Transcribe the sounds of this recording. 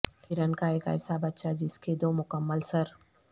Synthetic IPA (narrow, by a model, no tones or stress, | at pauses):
ɪɾənkaeːka̰ːsabɐt̪ːʃad͡ʒɪsked̪oːmʊkəmːəlsɐɾ